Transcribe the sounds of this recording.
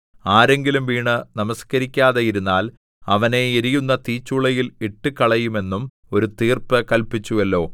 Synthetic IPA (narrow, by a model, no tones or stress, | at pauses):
aːɾe̞ŋɡilumʋiːɳɨnɐmɐskɐɾikʲːaːðɐjiɾunːaːl | ɐʋɐne̞eɾijunːɐt̪iːt͡ɕːuɭɐjiliʈːɨkɐɭɐjume̞nːum | o̞ɾut̪iːrpɨkɐlpit͡ɕːuʋɐlːo̞ː